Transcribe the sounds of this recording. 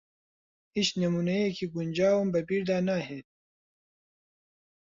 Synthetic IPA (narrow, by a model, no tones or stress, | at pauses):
iɕnɐmunɐekiɡunʲd͡ʑaːwumbɐpiːɾd̪aːnaːɦeː